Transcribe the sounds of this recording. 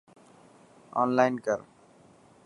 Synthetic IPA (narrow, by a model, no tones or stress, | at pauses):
ɔ̰ːnlaɪnkəɾ